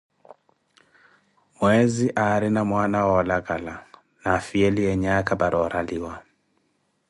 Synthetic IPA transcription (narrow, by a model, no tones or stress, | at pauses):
mwɛziʔaɾinamwanawɔlaɡala | nafiɛliɛɲakabaɾʔɔɾaliwa